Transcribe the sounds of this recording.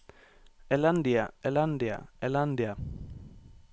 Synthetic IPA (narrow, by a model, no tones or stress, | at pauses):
eland̪iaeland̪ia̰eland̪ia